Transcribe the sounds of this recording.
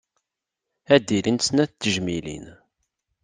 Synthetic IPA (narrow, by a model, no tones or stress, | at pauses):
æd̪ilinsnæθt̪ːəʒmilḭn